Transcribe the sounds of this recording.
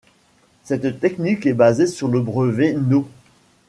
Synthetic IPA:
sɛt̪t̪ɛknikɛbazesyʁləbʁəvɛno

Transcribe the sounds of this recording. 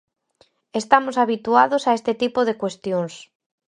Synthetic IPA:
est̪amosaβit̪uaðosaest̪ɪt̪ipoðekwest̪joŋs

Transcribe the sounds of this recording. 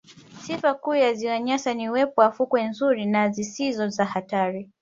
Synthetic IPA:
sifakuːjaziwaɲasaniuwɛpɔwafukwɛnzuɾinazisizɔzahataɾi

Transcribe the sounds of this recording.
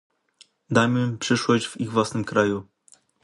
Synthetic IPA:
d̪aməpʂɘʂwɔʑd͡ʑviɣvwasnɘmkɾaju

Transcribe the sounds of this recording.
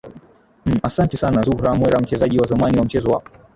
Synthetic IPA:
asantɛsanazuhɾamwɛɾam̩t͡ʃɛzaʄiwazamaniwam̩t͡ʃɛzɔwa̰

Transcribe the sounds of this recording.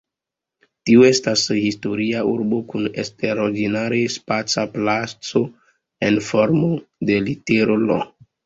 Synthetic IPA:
tioe̞stashisto̞ɾiaṵɾbo̞kunḛsteɾoɾɡinaɾespat͡saplat͡so̞ | enfoɾmode̞liteɾolo̰

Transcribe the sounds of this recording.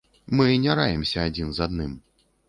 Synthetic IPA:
mɨnʲaɾajɛmsʲɐːd͡zʲinzad̪nɨm

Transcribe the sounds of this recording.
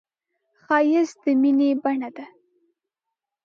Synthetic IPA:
xɑjɪzd̪əminebaɳad̪a

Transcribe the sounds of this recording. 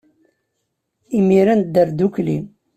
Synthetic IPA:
imiɾænd̪əɾd̪uklḭ

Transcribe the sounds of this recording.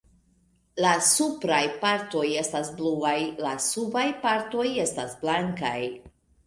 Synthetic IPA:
lasupɾajpaɾto̞je̞stasbluajlasubajpaɾto̞je̞stasblaŋkaj

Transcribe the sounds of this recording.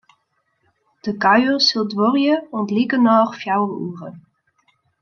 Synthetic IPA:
d̥əkaɥəsɪlˠdʋɔrjəɔntlikənɑːχfjawlṵːrə

